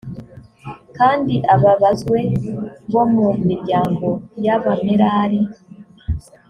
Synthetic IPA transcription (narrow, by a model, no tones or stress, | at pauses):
kaːndiʔaβaβazɡwe̞βo̞mumiɾɟaːŋɡo̞jaβameɾaɾi